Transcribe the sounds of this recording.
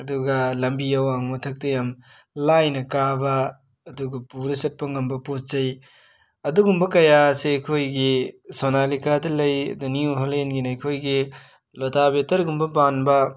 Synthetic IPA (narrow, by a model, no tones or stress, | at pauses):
ɐduɡɐlɐmbiɐwaŋutʰɐk̚tɐjam | lajnɐkabɐː | duɡɐpuɾɐsɐt̚pɐŋɐmbɐpot̚t͡ʃɐj | ɐduɡumbɐkɐjaseɐjkʰojɡisonalikadɐlɐjdɐniuɦolenɡinɐjkʰojɡi | lotabetɐɾɡumbɐbanbɐ